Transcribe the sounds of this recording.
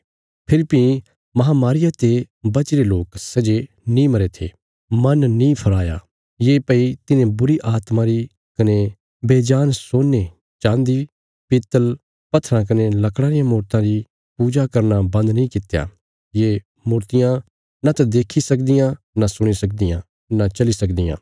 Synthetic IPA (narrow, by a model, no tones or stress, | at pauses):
pʰɪɾpĩ | mɐɦamaːɾɪjat̪e | bɐt͡ʃɪɾeloːksɐd͡ʒe | nĩmɐɾet̪ʰḛː | mɐnnĩpʰɐɾaːja̰ | jeːpɐit̪ɪnẽbʊɾiʔaːt̪mãɾi | kɐne | beːd͡ʒaːnsoːnːe | t͡ʃãːnd̪i | pɪt̪ːəl | pɐt̪ʰːɾãk̬ɐnelɐkɽ̃aːɾɪjãmuːɾt̪ãɾi | puːd͡ʒakɐɾnabɐ̃nd̪nĩkɪt̪ja̰ | je | muːɾt̪ɪjã | nat̪ad̪eːkʰisɐkd̪ɪjã | nasʊɽ̃isɐk̚d̪ɪjã̰ | nat͡ʃɐlisɐkd̪ɪjã̰ː